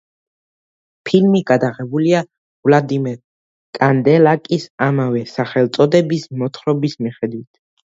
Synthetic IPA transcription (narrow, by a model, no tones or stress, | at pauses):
pʰilmiɡad̪aʁɛbulia | vlad̪imɛɾ | kʼand̪ɛlakʼisamavɛsaχɛlˠt̪sʼɔd̪ɛbismɔt̪ʰχɾɔbismiχɛd̪wit̪ʰ